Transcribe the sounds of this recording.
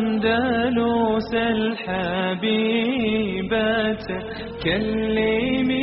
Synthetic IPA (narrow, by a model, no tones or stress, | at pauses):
nd̪alusalħabi | bat̪ | kalːɪmi